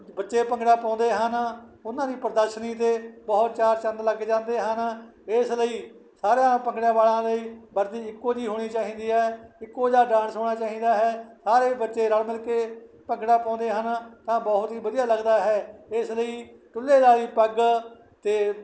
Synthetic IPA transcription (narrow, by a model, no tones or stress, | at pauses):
bətːʃeːpəŋɡɽaːpɔ̃ːnd̪eːɦənʊnãːd̪iːpəɾəd̪əɾʃniːt̪̬eːbɔːt̪t͡ʃaːɾt͡ʃə̃nd̪ləɡd͡ʒãːnd̪eːɦənɪsləiː | saːɾjãːpəŋɡɽjãːʋaːlãːləiːbəɾd̪iːɪkːoːd͡ʒiːɦoːɽ̃iːt͡ʃaːɦĩːnd̪iːɦɛːɪkːoːd͡ʒaːɖãːnsɦoːɽaːt͡ʃaːɦiːd̪aːɦɛːsaːɾeːbətːʃeːɾəɽmɪlkeː | pəŋɡɽaːpɔ̃ːnd̪eːɦənt̪ãːbɔːʊt̪ɦiːbəd̪ijaːləɡd̪aːɦɛːɪsləiː | ʈʊlːeːd̪aːɾiːpəɡ | t̪eː